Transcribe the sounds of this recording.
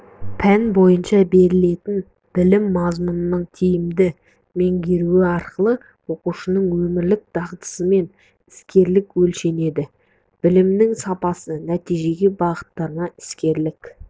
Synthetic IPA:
pʰænbo̞jənʃɑbe̞ɾɪle̞t̪ɪn | b̥ɪlɪmːɑzmunənəɴt̪ʰijɪmd̪ɪ | me̞ŋɡʲe̞ɾuɪɑɾqəlˠə | wo̞quʃənəɴwɵmɪɾlɪk̚d̪̥ɑʁt̪ə̥səme̞n | ɪskʲe̞ɾlɪkwɵlʃe̞ne̞d̪ɪ | b̥ɪlɪmnɪŋsɑpɑsənæt̪ijʒe̞ɡʲe̞bɑʁət̪ːɑɾənɑɪ̥skʲe̞ɾlɪk

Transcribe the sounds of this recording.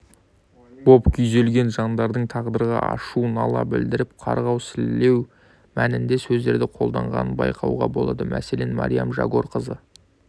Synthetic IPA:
b̥o̞pkʲʰʏjze̞lɡʲe̞nʒɑnd̪ɑɾd̪əɴt̪ʰɑʁd̪əɾʁɑʔɑ̰ʃuənɑlˠɑbɪld̪ɪɾɪpqʰɑɾʁɑwsɪlːe̞w | mænɪnd̪e̞sɵzd̪e̞ɾd̪ɪqʰo̞lˠd̪ɑɴʁɑ̰nənbɑ̰jqʰɑwʁɑbo̞̰lˠɑd̪əmʔæ̰se̞le̞nmɑ̰ɾijamʒɑ̰ɡo̞ɾqəzə

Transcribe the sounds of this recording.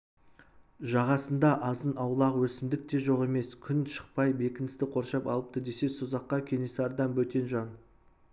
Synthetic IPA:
ʒɑʁɑsənd̪ɑʔɑzənɑwlˠɑʁəwɵsɪmd̪ɪk̚t̪e̞ʒo̞ʁe̞me̞skʲʰʏnʃə̥q̚pɑjbe̞kʲɪnɪst̪ɪqʰo̞ɾʃɑpɑ̰lˠəp̚t̪əd̪e̞se̞suzɑqːɑkʲʰe̞nesɪɑɾd̪ɑmwɵt̪e̞nʒɑn

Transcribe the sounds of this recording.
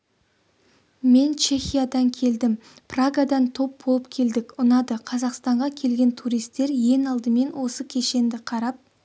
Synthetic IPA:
me̞nt͡ʃʰe̞xʲijad̪ɑŋkʲʰe̞ld̪ɪmpraɡad̪ɑnt̪ʰo̞p̚bo̞lˠəpkʲʰe̞ld̪ɪkʲʊnɑd̪əqʰɑzɑqst̪ɑɴʁɑkʲʰe̞lɡʲe̞nt̪ʰuɾijst̪ːe̞ɾje̞ŋɑlˠd̪əme̞nwo̞səkʲʰe̞ʃe̞nd̪ɪqʰɑɾɑp̚

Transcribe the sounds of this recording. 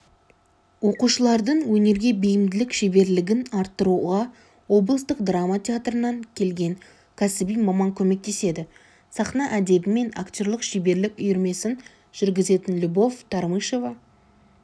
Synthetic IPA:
wo̞quʃəlˠɑɾd̪əɴwɵne̞ɾɡʲe̞bejɪmd̪ɪlɪkʃebe̞ɾlɪɡʲɪnɑɾt̪ːəɾuʁɑ | wo̞blˠəst̪əq̚d̪ramːat̪ʰʲeat̪rənɑŋkʲʰe̞lɡʲe̞ŋ | kʲʰæsɪbijmɑmɑŋkʲʰɵme̞k̚t̪e̞se̞d̪ɪ | sɑχnɑʔæd̪e̞bɪme̞na̰kt̪ʲo̞ɾlˠəqʃebe̞ɾlɪkʲʊjʏɾme̞sɪn | ʒ̥ʏɾɡʲɪze̞t̪ɪnlʲubo̞vt̪ʰɑɾmɨʃo̞vɑ

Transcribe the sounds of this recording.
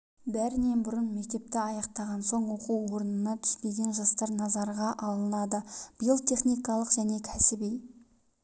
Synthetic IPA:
bæɾɪne̞nbʊɾənme̞k̚t̪e̞p̚t̪ɪɑjɑqt̪ɑʁɑnso̞ɴwo̞quwwoɾənənɑt̪ʰʏ̥st̪e̞ɡʲe̞nʒɑst̪ɑɾnɑzɑɾʁɑʔɑlˠənɑd̪əb̥əjəlˠt̪ʰe̞χnijkɑlˠəqʒæne̞kʲʰæsɪbej

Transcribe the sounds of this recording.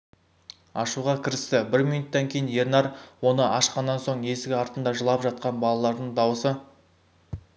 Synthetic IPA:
ɑʃuʁɑkʲʰɪɾɪst̪ɪbɪɾminut̪ːɑŋkʲʰe̞jɪnje̞ɾnɑɾwo̞nəʔɑʃqɑnːɑnso̞ɴe̞sɪɡʲɪɑɾt̪ənd̪ɑʒəlˠɑpʒɑt̪̚qɑnbɑlˠɑlˠɑɾd̪əɴd̪ɑwəsə

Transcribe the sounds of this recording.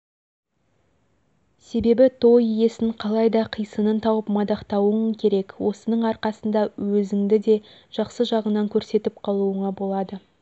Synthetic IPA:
se̞be̞bɪt̪ʰo̞jje̞sɪɴqʰɑlˠɑjd̪ɑqʰijsənənt̪ʰɑwəpmɑd̪ɑqt̪ɑwəŋkʲʰe̞ɾe̞kwo̞sənəɴɑɾqɑsənd̪ɑwɵzɪŋd̪ɪd̪e̞ | ʒ̥ɑqsəʒɑʁənɑŋkʲʰɵɾse̞t̪ɪp̚qʰɑlˠuəɴɑbo̞lˠɑd̪ə

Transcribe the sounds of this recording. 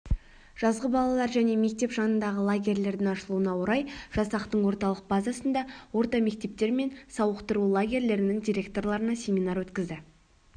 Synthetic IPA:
ʒ̥ɑzʁəbɑlˠɑlˠɑɾʒæne̞me̞k̚t̪e̞pʒɑnənd̪ɑʁəlˠaɡʲe̞ɾlʲe̞ɾd̪ɪŋɑʃəlˠuənɑwoɾɑjʒ̥ɑsɑqt̪əɴwo̞ɾt̪ɑlˠəq̚bɑzɑsənd̪ɑwo̞ɾt̪ɑme̞k̚t̪e̞p̚t̪e̞ɾme̞nsɑwəqt̪əɾulˠaɡʲe̞ɾle̞ɾɪnɪŋd̪ʲijɾʲe̞kt̪o̞ɾlˠɑɾənɑsʲe̞minɑɾwɵt̪kʲɪzd̪ɪ

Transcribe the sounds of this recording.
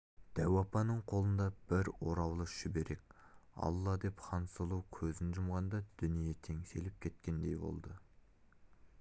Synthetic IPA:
d̪̥æwɑpɑnəɴqʰo̞lˠənd̪ɑb̥ɪɾwo̞ɾɑwlˠəʃɪbe̞ɾe̞k̚ʲɑ̰lˠːɑd̪e̞pχɑnsəlˠuwkʲʰɵzɪnʒʊmʁɑnd̪ɑd̪̥ʏnijet̪ʰe̞ŋse̞lɪp̚kʲʰe̞t̪̚kʲe̞nd̪e̞jbo̰lˠd̪ə

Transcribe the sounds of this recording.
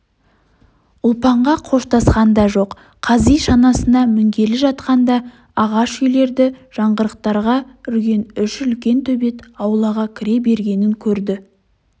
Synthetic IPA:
ʊlˠpɑɴʁɑqʰo̞ʃt̪ɑsqɑnd̪ɑʒo̞qːʰ | ɑzijʃɑnɑsənɑmʏŋɡʲe̞lɪʒɑt̪qɑnd̪ɑ | ɑʁɑʃʏjle̞ɾd̪ɪʒ̥ɑɴʁəɾəq̚t̪ɑɾʁɑʏɾɡʲe̞nʏʃʏlkʲe̞nt̪ʰɵbe̞t̪ɑwlˠɑʁɑkʲʰɪɾe̞be̞ɾɡʲe̞nɪŋkʲʰɵɾd̪ɪ

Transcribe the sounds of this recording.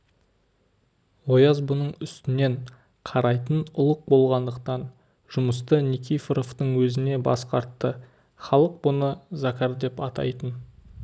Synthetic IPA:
wo̞jɑzbʊnəɴʏst̪ɪne̞ɴ | qʰɑɾɑjt̪ənʊlˠəq̚bo̞lˠʁɑnd̪əqt̪ɑn | ʒ̥ʊməst̪ənikʲʰijfɾoft̪əɴwɵzɪne̞bɑ̰sqɑɾt̪ːə | χɑlˠəq̚bʊnəzakʲaɾd̪e̞pɑt̪ɑ̰jt̪ən

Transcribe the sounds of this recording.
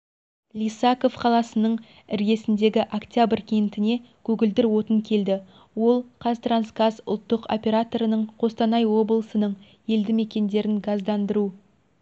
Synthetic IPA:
lʲijsɑko̞fqʰɑlˠɑsənəɴ | ɪɾɡʲe̞sɪnd̪e̞ɡʲɪʔakt̪ʲjabrkʲʰejnt̪ɪne̞ | kʲʰɵɡʲɪld̪ɪɾwo̞t̪əŋkʲʰe̞ld̪ɪ | wo̞lˠqʰɑst̪ɾansɡazʊ̰lˠt̪ːəqo̰pʲe̞ɾat̪o̞ɾənəɴqʰo̞st̪ɑnɑjwo̞blˠəsənəɴ | je̞ld̪ɪme̞kʲe̞nd̪e̞ɾɪnɡɑzd̪ɑnd̪əɾu

